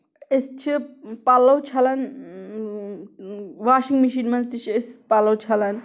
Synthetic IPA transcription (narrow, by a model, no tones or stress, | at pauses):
est͡ʃʰipalɐwt͡ʃʰɐlɐn | ʋaːʃiŋɡmiʃinmɐnt͡sit͡ʃʰespalɐwt͡ʃʰɐlɐn